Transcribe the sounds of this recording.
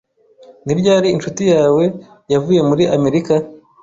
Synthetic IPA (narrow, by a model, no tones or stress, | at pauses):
niɾɟaːɾiːnʃutijaːwe̞ | javuːje̞muɾiʔame̞ɾika